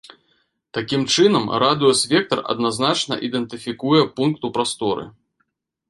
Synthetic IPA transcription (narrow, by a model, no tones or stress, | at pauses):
t̪akʲimt͡ʂɨnɐmɾad̪ɨɔsʲvʲɛk̚t̪ɐrɐ̰d̪naznat͡ʂnɐ̰ʔid̪ɛnt̪ɨfʲikujɛpunkt̪upɾast̪ɔɾɨ̰